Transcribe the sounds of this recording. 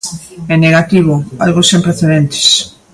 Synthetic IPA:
ɛneɣat̪iβ̞oa̰lɣosempɾeθeðent̪ɪ̥s

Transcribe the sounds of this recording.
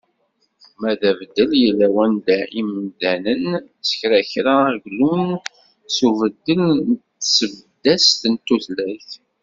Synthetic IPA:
mæðævəd̪ːəljəlːæwænd̪æʔimnd̪ænən | t͡sːə̥çɾæçɾaɡlun | suvəd̪ːəlnt̪ːsəvd̪ːæst̪ənt̪ːuθlæθ

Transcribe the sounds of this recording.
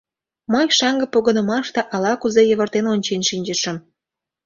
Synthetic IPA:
məjʃɑŋɡə̆poɣənə̆mɑʃt̪eʔɑlɑkuzejə̆βərt̪enonʲt͡ɕenʃinʲd͡ʑəʃə̆m

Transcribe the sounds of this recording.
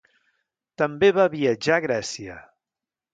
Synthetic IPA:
t̪əmbeβaβiəd͡ʒaɣɾɛsiə̰

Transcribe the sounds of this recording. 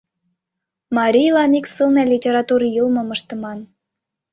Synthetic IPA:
mɑɾʲijlɑniksɨlˠnɑlʲitʲeɾɑt̪uɾjəlmə̆məʃt̪ə̆mɑn

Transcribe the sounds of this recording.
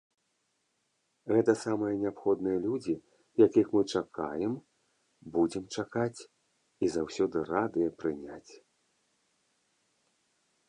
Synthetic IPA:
ɣɛt̪ɐsamɨjɐnʲɛapxɔd̪nɨjɐlʲud͡zʲi | jakʲixmɨt͡ʂakajɛm | bud͡zʲɛmt͡ʂakat͡sʲ | izawsʲɔd̪ɨrad̪ɨjɐpɾɨnʲat͡sʲ

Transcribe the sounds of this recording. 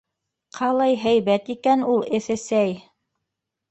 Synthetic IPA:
qʰɑlˠɑjɦæjβæt̪ikænulˠɘ̆θɘ̆sæj

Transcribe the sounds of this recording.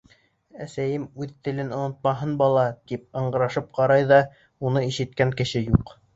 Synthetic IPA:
æsæjɘmʉðt̪ɘ̆lɘnŏnŏt̪̚mɑɦɤnbɑlˠɑt̪ip̚ɑ̆ɴɢɤ̆ɾɑʃɤp̚qɑɾɑjðɑ | unɤiʃɘ̆t̪kæŋkɘ̆ʃɘjuq

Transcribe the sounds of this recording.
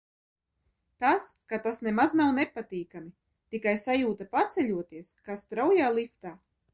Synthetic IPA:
t̪as | kat̪asnemaznawnɛpat̪iːkami | t̪ikajsajuːt̪apat̪sɛʎʲuɔt̪iɛskast̪ɾawjaːlˠift̪aː

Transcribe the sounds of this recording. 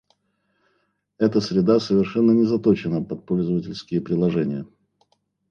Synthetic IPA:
ɛt̪əsɾʲɪd̪asəvʲɪrʂɛnːənʲɪzɐt̪ot͡ɕɪnəpɐt̪̚polʲzəvətʲɪlʲskʲɪjəpɾʲɪlˠɐʐɛnʲɪjə

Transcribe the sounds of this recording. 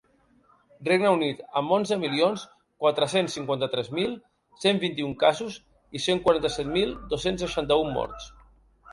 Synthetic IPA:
reɡnəunit̪əmːonzðəmilions | kwat̪ɾəsensːiŋkwant̪ət̪ɾɛzmilˠ | sembint̪iuŋkazuz | iseŋkwaɾant̪əsɛt̪milˠd̪osensːəʃant̪əumːɔ̰ɾt̪s

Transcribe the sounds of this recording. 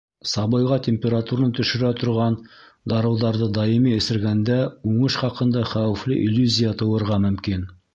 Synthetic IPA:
sɑβɤ̆jʁɑtʲemʲpʲeɾat̪uɾnt̪ɵ̆ʃɘ̆ɾæt̪ŏɾʁɑn | d̪ɑɾɤ̆wðɑɾðɤd̪ɑjimiɘ̆sɘ̆ɾɡænd̪æʉɴɤʃχɑqɤ̆nd̪ɑχæwɘ̆flɘ̰ʔilʲːuzʲijat̪ɤ̆wɤ̆ɾʁɑmɵ̆mkin

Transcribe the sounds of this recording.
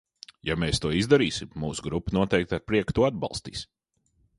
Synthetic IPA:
jameːst̪uɔizd̪aɾiːsimːuːsuɡɾupːnuɔt̪ɛjk̚t̪aɾpɾiɛkt̪uɔad̪bɑ̰lˠst̪ḭːs

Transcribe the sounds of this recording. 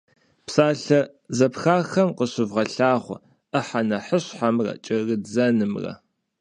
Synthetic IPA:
psaːɬɐ | zɐpxaːxɐmqəɕɪvʁɐɬaːχʷɔ̰ | ʔəħanɐħəɕħamrɐ̰t͡ʃʼɐɣɨzɐnɨmrɐ̰

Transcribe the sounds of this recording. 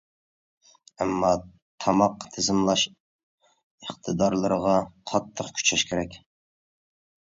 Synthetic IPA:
ɛmːɑ | t̪ʰɑmɑqːt̪ʰezɪmlˠɑʃ | əχt̪ʰɨd̪ɑɾlˠɨɾəʁɑqʰɑt̪ʰːəqkʲʰy̥t͡ʃʰɛʃkʲʰeɾɛkʲ

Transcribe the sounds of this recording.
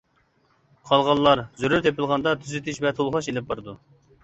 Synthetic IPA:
qʰɑlˠʁɑlˠːɑɾzyɾyɾt̪ʰepɪlˠʁɑnd̪ɑt̪ʰyzɪt̪ʰɪʃvɛt̪ʰolˠχɑʃelɪp̚bɑɾɨd̪u

